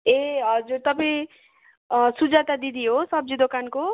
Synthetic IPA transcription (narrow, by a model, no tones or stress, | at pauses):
eɦʌd͡zuɾt̪ʌpʌ | sud͡zat̪ad̪id̪iɦosʌb̚d͡zid̪okanko